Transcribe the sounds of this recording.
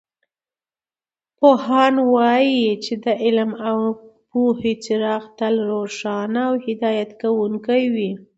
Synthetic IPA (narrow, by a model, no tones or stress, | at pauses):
pohɑnwɑjit͡ʃed̪əʔɪlmawpuhet͡sɪɾɑxt̪alɾoʂɑnaːwhɪd̪ɑjat̪kawuŋkajwi